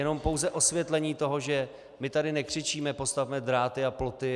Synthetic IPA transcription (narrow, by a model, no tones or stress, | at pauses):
jɛno̞mpo̞wzɛʔo̞svjɛt̪lɛɲiːt̪o̞ɦo̞ʒɛ | mɪt̪adɪnɛkr̝̥ɪt͡ʃiːmɛpo̞st̪avmɛd̪ɾaːt̪ɪaplo̞t̪ɪ